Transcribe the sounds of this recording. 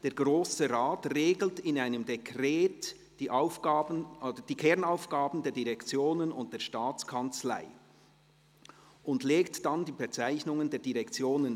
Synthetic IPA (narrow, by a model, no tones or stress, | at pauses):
d̥eːɐɡ̥ʁoːsəʁaːtreːɡl̩tɪnaɪnəmdekʁeːt | d̥iːʔaʊfɡ̥aːbnɔdəd̥iːkʰɛʁnaʊfɡ̥aːbn̩deːɐdiʁɛkt͡sjoːnənʊ̰nt̚d̥eːɐʃtaːt͡skʰɑnt͡sla̰ɪ | ʔʊndleːktd̥andiːbət͡saɪçnʊŋəndeːɐdiʁɛkt͡sjoːnən